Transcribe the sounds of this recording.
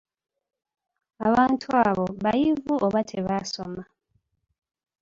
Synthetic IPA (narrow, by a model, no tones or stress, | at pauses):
aβaːntʰuaːβo̞βajivuʔoβatʰe̞βaso̞̰ma